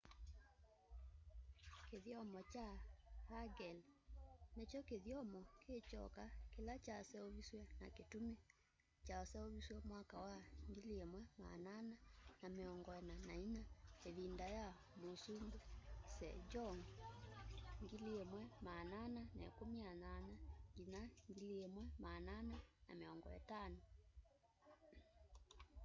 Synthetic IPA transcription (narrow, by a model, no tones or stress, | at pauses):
keðjɔmɔt͡ʃaɾaɡɛl | net͡ʃɔkeðiɔmɔkʰet͡ʃɔ̰kakelat͡ʃasɛoβiswɛna̰ketume | t͡ʃaɔsɛoβiswɛmwakawaŋɡiliemwɛma̰nananameɔŋɡɔɛnanainaeðindaja | mosundusɛ̰d͡ʒɔŋ | ŋɡiliemwɛmananana̰ḛkomiananaŋɡinaŋɡiliemwɛmananana̰meɔŋɡɔ̰ɛ̰tano